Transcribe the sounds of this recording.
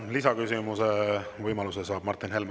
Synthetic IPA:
lisɑkysimusevɤjmɑlusesɑːb̥̚mɑrt̪ˑːinɦe̞lm

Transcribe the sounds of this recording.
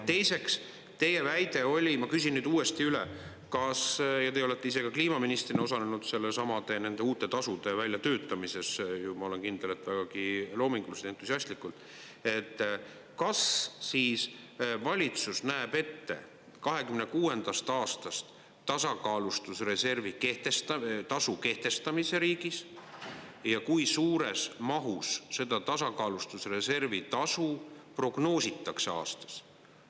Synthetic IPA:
t̪e̞jse̞ks | t̪e̞je̞væjd̪e̞o̞lʲimɑkysinːyːd̪̥uːe̞st̪iyle | kɑsjɑt̪e̞olet̪ːe̞ise̞kɑkliːmɑminist̪rineo̞s̬ɑnenud̪̥se̞lːesɑmɑd̪e̞ne̞nd̪e̞uːt̪ːˑe̞t̪ɑsud̪̥e̞vælʲːjɑt̪ø̞ːt̪ːˑɑmise̞sjumɑo̞le̞nkind̪̥ele̞t̪ːˑvæɡ̥ɑɡ̥ilo̞ːmiŋɡ̥luse̥e̞nt̪ːˑusʲiɑsʲt̪likult̪ˑː | e̞t̪ː | kɑssiːs | vɑlʲit̪susnæeb̥e̞t̪ːe̞̰ | kɑɦe̞kymnekuːe̞nd̪̥ɑst̪ɑːst̪ɑst̪ː | ɑsɑkɑːlust̪usre̞se̞rvike̞ht̪est̪ɑt̪ɑsuke̞ht̪e̞st̪ɑmise̞ɾiːɡ̥is | jɑkujsuːɾe̞smɑɦusse̞d̪̥ɑt̪ɑsɑkɑːlust̪usre̞se̞rvit̪ɑsupro̞ɡ̥no̞ːsit̪ːˑɑkse̞ɑ̰ːst̪ɑ̥s

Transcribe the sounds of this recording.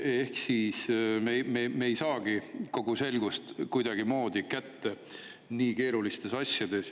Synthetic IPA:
e̞hksismememejsɑːɡ̥iko̞ɡ̥use̞lɡust̪kujd̪ɑɡ̥imo̞ːd̪ikæt̪ːe | niːke̞ːɾulist̪e̞sɑsʲjɑd̪e̞s

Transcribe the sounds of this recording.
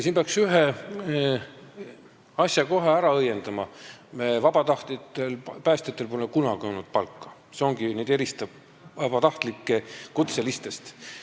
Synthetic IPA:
siːmpeɑksyɦe | ɑsjɑko̞ɦeæɾɑɤjːe̞nd̪̥ɑmɑ | vɑb̥ɑt̪ɑht̪it̪ːelpæːst̪et̪ːˑe̞lpolekunɑɡ̥io̞wnud̪̥̚pɑlkːˑɑ̥ | seo̞ŋɡ̥ined̪e̞ɾist̪ɑ | vɑbɑt̪ɑht̪likːˑe̞kut̪se̞list̪e̞st̪

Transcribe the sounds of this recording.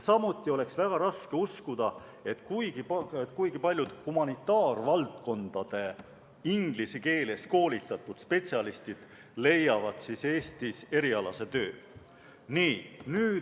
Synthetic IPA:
sɑmut̪ˑːio̞le̞ksvæɡ̥ɑɾɑske̞uskud̪̥ɑ | e̞t̪ːˑkujɡ̥ipet̪ːˑkujɡ̥ipɑlʲjud̪̥humɑnit̪ːˑɑːrvɑlt̪ko̞nd̪̥ɑd̪̥e̞ | iŋɡ̥liseke̞ːle̞sko̞ːlit̪ːˑɑt̪ːˑud̪̥spe̞t̪siɑlist̪id̪̥ | le̞jɑvɑd̪̥sise̞ːst̪ise̞ɾiɑlɑse̞t̪ø̞ː | niːnyːd̪

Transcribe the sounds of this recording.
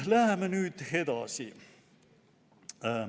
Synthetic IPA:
læhæmːenyt̪hed̪ɑ̰sʲḭ

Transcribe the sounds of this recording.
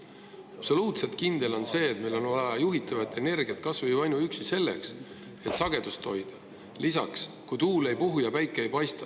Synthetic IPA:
ɑpso̞luːt̪se̞lt̪̚kind̪e̞lo̞nse̞ːt̪̚mejlo̞nvɑɑjuɦit̪ːˑɑvɑt̪ːˑe̞ne̞rɡ̥ijɑt̪̚kɑsvɤjɑjnuyksise̞lːe̞ks | e̞t̪sɑɡ̥e̞d̪̥ust̪ʰo̞jd̪̥ɑ | lisɑ̰kskujt̪uːle̞jpuɦujɑpæjkːˑeejpɑjst̪ɑ̥

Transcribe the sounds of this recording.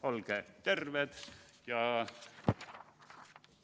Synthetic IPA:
olket̪erʋet̪jɑ

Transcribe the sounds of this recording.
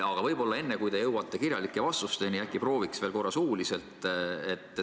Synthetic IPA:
ɑɡ̥ɑvɤjbo̞lːɑe̞nːekujt̪ejɤwɑt̪ːˑe̞kiɾjɑlikːˑe̞vɑst̪ust̪e̞niækːˑipro̞ːviksvelko̞rːɑsuːlise̞lt̪ˑet̪ːˑ

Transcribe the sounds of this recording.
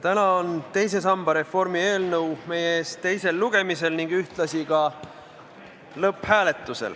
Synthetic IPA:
t̪ænɑont̪e̞jse̞s̬ɑmbɑɾe̞fo̞rmie̞ːlnɤwme̞jeeːst̪e̞jse̞lːuɡ̥e̞mise̞lniŋɡ̥yht̪lɑsikɑ | lɤphæːle̞t̪ːˑusḛl

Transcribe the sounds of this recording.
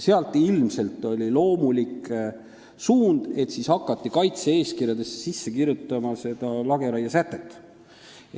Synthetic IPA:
seɑlt̪ːˑilmse̞lt̪ːˑo̞lʲilo̞ːmulik | suːnd̪̥e̞t̪sishɑkːˑɑt̪ːˑikɑjt̪see̞ːskirjɑd̪e̞ssisːekirjut̪ːˑɑmɑse̞d̪̥ɑlɑɡe̞ɾɑjɑsæt̪ːˑe̞t̪ːˑ

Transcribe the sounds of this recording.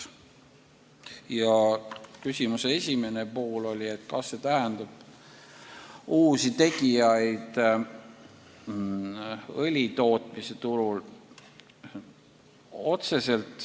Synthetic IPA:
jɑkysimuseesʲime̞nepoːlo̞lʲie̞t̪ːkɑsːe̞t̪æɦend̪̥ɑb̥ | uːsit̪e̞ɡ̥ijɑjd̪̥ | ɤlʲit̪o̞ːt̪ˑmise̞t̪uɾul | o̞t̪se̞se̞lt̪ˑ

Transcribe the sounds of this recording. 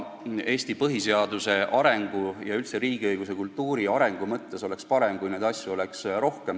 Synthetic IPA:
e̞ːst̪ipɤɦise̞ɑd̪use̞ʔɑɾe̞ŋɡ̥ujɑylt̪se̞ɾiːɡ̥iɤjɡ̥us̬e̞kult̪ːˑuːɾiɑɾe̞ŋɡ̥umɤt̪ːe̞so̞le̞kspɑɾemkujneːd̪̥ɑsʲjuo̞le̞ksɾo̞hke̞m

